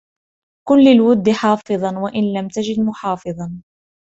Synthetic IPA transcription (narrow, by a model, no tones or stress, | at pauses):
kʊnlɪlwʊd̪ːħɑːfɨðˤɑnwaʔɪnlamt̪ad͡ʒɪd̪mʊħɑːfɨðˤɑn